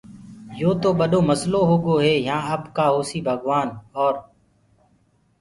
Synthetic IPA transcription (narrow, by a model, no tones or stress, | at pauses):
joːt̪oːɓəɗoːməsloːɦoːɠoːɦeːjãːəbkaːɦoːsiːbʱəɠʋaːnɔːɾ